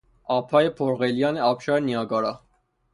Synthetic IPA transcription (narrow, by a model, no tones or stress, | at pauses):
ɑpʰɑjɛpʰɔɾʁɛljɑnɛɑpʃɑɾɛniɑɡɑɾɑ